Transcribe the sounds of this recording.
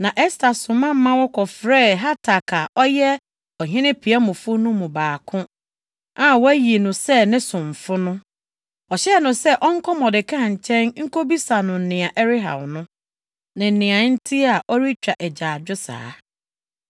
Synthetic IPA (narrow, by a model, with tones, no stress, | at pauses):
nã˨ʔɛ˦stʰa˨sʊ̃˨mã˦m̩˦mã˦wɔ˦kʰɔ˨fɾɛː˦˨ɦa˦tʰa˨kʰa˨ʔɔ˦jɛ˦ | ɔ˨ɦɪ̃˦nɪ̃˦pʰi˨a˦mʊ̃˨fʊ˦nʊ̃˦mũ˨baː˨kʰʊ̃˦ | ã˦˨wæ˦ji˨e˨nʊ̃˨sɛ˦nɪ̃˦sʊ̃˨ɱ˨fʊ˦nʊ̃˦ | ɔ˨ɕɛ˦˨nʊ̃˨sɛ˦ʔɔ˦ŋ̩˦kʰɔ˦mɔ̃˨dɪ˨kʰã˦˨ɲ̩˨t͡ɕʰɛ̃˦nŋ̩˦ko˦bi˦sa˨nʊ̃˨n̩˨nɪ̃˨a˨ʔɛ˦ɾɪ˦ɦã̰˨mnʊ̃˦ | nɪ̃˨n̩˨nɪ̃˨ã˨n̩˦tʰi˦a˨ʔɔ˦ɾi˦t͡ɕᶣɾa˨ʔɛ˨d͡ʑaː˨d͡ʑᶣʊ˦sa̰ː˨˦